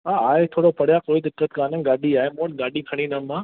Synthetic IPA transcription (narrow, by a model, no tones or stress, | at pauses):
aaːɪt̪ʰoːɽopɐɽjakoːid̪ɪkːət̪kaːnə̃ɡaːɗiaːemoːnɡaːɗikʰɐɽ̃inamãː